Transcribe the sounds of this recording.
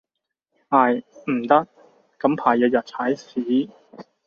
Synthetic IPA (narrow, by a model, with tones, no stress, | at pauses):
aː˨˩jm̩˨˩t̪ɐ˥k̚ | kɐ˨˥mpʰaː˨˩jɐː˧jɐ˨t̚t͡sʰaː˨˥jsiː˨˥